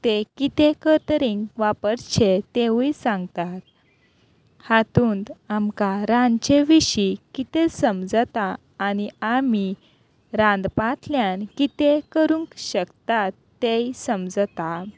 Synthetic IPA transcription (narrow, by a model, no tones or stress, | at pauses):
t̪ekit̪ekət̪əɾĩŋɡʋapəɾt͡ɕʰet̪eʋuisãŋɡt̪at̪̚ | hat̪uːnt̪amkaɾãnt͡ɕeʋiɕikit̪esəmd͡zt̪aː | niami | ɾãnd̪pat̪ʰljankit̪ekəɾũŋkɕəkt̪at̪ːejsəmd͡zt̪a